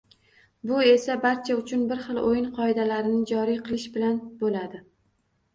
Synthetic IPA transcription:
bʊe̞sabaɾt͡ʃʰaʊt͡ʃʰʊnbɪɾχɨlˠojɪnqʰɒɪd̪alaɾɪnɪd͡ʒɒɾijqʰɨlˠɪʃbɪlanbolad̪ɪ

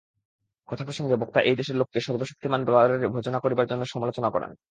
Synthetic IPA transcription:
kɔt̪ʰapɾoʃʰoŋɡebok̚t̪aʔejd̪eʃeɾlokːeʃɔɾboʃu̥k̚t̪ʰimanb̪ɾɔaɾeɾbʱod͡ʑonakoɾibaɾd͡ʑonːoʃɔmalot͡ɕonakɔ̰ɾḛn

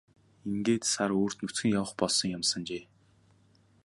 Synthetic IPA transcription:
iŋɡeːt̪saɾoːr̥t̪nut͡sɡɘ̆ŋjawə̆χpɔɮsɞ̆ŋjamsə̆nt͡ɕeː

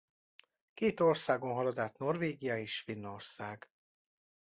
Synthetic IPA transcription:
keːt̪o̞rsaːɡonɦɒlɒd̪aːt̪no̞rveːɡijɒeːʃfinːo̞rsaːɡ̥

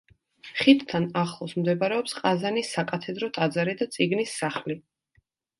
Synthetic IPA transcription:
χit̪ʰt̪ʰːanaχlˠɔsmd̪ɛbaɾɛɔpsqʼazanisːakʼat̪ʰɛd̪ɾɔt̪ʼad̪zaɾid̪at̪sʼiɡnisːaχli

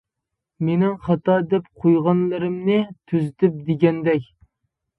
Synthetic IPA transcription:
menɪŋχɑt̪ɑd̪ɛp̚qʰojʁɑnlˠɨɾɪmnɨt̪ʰyzɪt̪ʰɪp̚d̪eɡʲɛnd̪ɛkʲ

